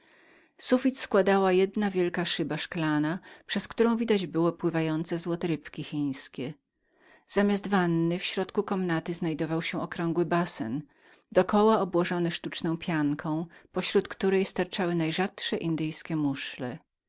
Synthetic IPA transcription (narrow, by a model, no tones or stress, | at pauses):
sufʲit̪skwad̪awajɛd̪navʲjɛlkaʂɘbaʂklanapʂɛskt̪uɾɔ̃w̃vʲid̪ad͡ʑbɘwɔpwɘvajɔnt̪sɛzwɔt̪ɛɾɘpkʲixʲĩj̃skʲɛ | z̥amʲjazd̪vanːɘfɕɾɔt̪kukɔmnat̪ɘznajd̪ɔvawɕɛɔkɾɔŋɡwɘbasɛ̰n | d̪ɔkɔwaɔbwɔʐɔnɛʂt̪ut͡ʂnɔ̃w̃pʲjaŋkʰɔ̃w̃pɔɕɾut̪kt̪uɾɛjst̪aɾt͡ʂawɘnajʐat̪ʂɛʔind̪ɘjskʲɛmuʂlɛ